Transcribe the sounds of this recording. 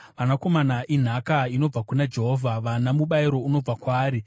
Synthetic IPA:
ʋanako̞manaʔin̤akaino̞b͡vakunad͡ʒe̞ɦoːvʱaʋanamuɓaiɾo̞uno̞b͡vakwaːɾi

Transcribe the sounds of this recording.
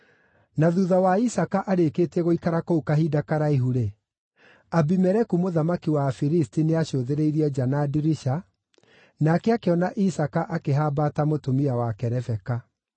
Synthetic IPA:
naðuðawaisakaʔaɾeːkeːtɛɣoikaɾakoukaɦidakaɾaiɦuɾe | abimɛɾɛkumoðamakiwafiɾistineaɕoðeɾeiɾiɛd͡ʒanadiɾiʃa | nakɛakeɔnaʔisakaʔakeɦabatamotomiawakɛɾɛfɛka

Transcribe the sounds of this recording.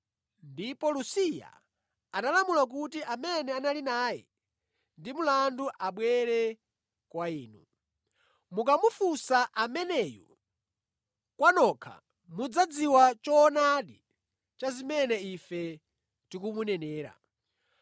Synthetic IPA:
ndipɔlusija̰ | analamulak̬utiʔamɛnɛanalinaːjɛ̰ | ndimulanduʔaɓwɛɾɛ | kwaiːnu | mukamufusaʔamɛnɛjɔ̰ | kwanɔkʰa̰ | mud͡zad͡ziwat͡ʃɔnaɗi | t͡ʃazimɛnɛifɛ | tikumunɛnɛːɾa̰

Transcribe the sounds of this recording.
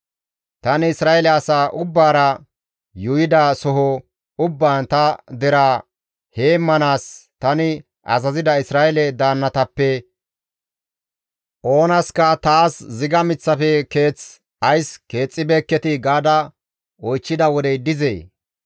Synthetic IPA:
t̪ɐnɪɪsɾaːʔɛlɛɐsaːʔʊbːaːɾɐ | jʊjɪd̪ɐsɔɦɔ | ʊbːaːnt̪ɐd̪ɛɾaː | he̞ːmːɐnaːst̪ɐnɪ | ʔɐ̰zɐzɪd̪ɐɪsɾaːʔɛlɛd̪aːnːɐt̪ɐpːɛ | ʔo̞ːnɐskɐt̪aːszɪɡɐmɪt͡sːɐfɛke̞ːt͡s | ɐjske̞ːt͡sʼːɪbeːkːɛt̪ɪɡaːd̪ɐ | ɔjt͡ʃːɪd̪ɐwɔd̪ɛjd̪ɪzḛː

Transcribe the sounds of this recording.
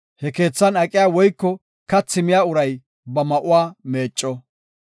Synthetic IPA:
hɛke̞ːt͡sːɐnɐkʼɪjaːwɔjkːɔ | kɐt͡sːɪmɪjaːʊɾɐj | bɐmɐʔʊwaːme̞ːt͡ʃʼːɔ

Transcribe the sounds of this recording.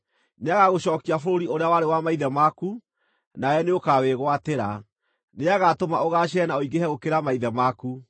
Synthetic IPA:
neaɣaɣoɕɔːkiafoɾoɾioɾeawaɾewamaiðɛmaku | naɛneokaweɣwateɾa | neaɣatomaoɣaɕ̬ɛnaoiɡehɛɣokeɾamaiðɛmaku

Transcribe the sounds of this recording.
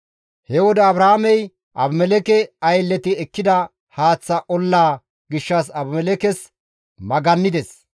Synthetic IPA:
hɛwɔd̪ɛɐbɾaamɛj | ʔɐ̰bmɛlɛkɛɐjlːɛt̪ɪɛkːɪd̪ɐ | haːt͡sːɐʔɔlːaː | ɡɪʃːɐs̬ɐbmɛlɛkɛs | mɐɡɐnːɪd̪ɛs

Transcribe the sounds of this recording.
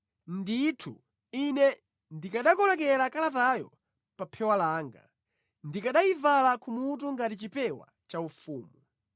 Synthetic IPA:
nditʰṵ | inɛ | ndikaɗakɔlɔkɛlakalatajɔ | papʰɛwalaːŋɡa̰ | ndikaɗajivalakʰumut̬uŋɡatit͡ʃipɛwa̰ | t͡ʃaufuːmu

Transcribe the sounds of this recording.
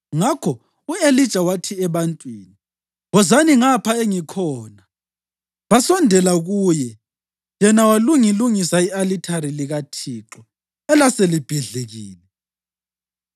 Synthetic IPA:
ŋakʰɔ | ueli̥t͡ʃʼawatʰiɛβantʼwiːni | wɔzaniŋapʰaeŋikʰɔːna | βasɔndʱɛlaɣuːjɛ | jɛnawaluŋiluŋisaialitʰaɾiliɣatʰiːǁɔ | ɛlaselib̥ʱiɮeɣiːlɛ

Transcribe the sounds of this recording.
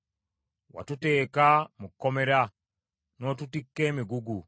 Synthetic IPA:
wa̰tute̞ːkamukːome̞ɾa | no̞ːtutikːe̞ːmiɡuɡu

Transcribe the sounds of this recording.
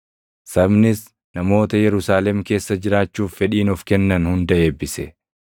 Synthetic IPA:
sɐbnɪs | nɐmo̞ːt̪ɐjɛɾʊsaːlɛmke̞ːsːɐd͡ʒɪɾaːt͡ʃːuːfːɛᶑiːnɔfkɛnːɐnhʊnd̪ɐʔe̞ːbːɪsɛ

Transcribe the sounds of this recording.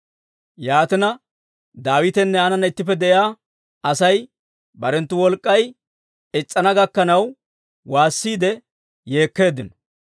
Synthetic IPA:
jaːt̪ɪnɐ | d̪aːwɪt̪ɛnːɛaːnɐnɐɪt̪ːɪpːɛd̪ɛjaː | ɐsɐj | bɐɾɛnt̪ːʊwɔlkʼːɐj | ɪt͡sʼːɐnɐɡɐkːɐnɐw | waːsːiːd̪ɛ | je̞ːkːe̞ːd̪ːɪnɔ

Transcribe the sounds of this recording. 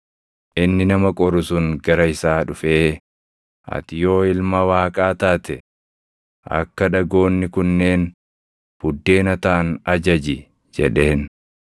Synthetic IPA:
ʔɪnːɪnɐmɐkʼɔɾʊsʊŋɡɐɾɐɪsaːᶑʊfeː | ʔɐ̰t̪ɪjo̞ːɪlmɐwaːkʼaːt̪aːt̪ɛ | ʔɐ̰kːɐᶑɐɡo̞ːnːɪkʊnːe̞ːn | bʊd̪ːe̞ːnɐt̪aːnɐd͡ʒɐd͡ʒɪ | d͡ʒɛ̰ᶑe̞ːn

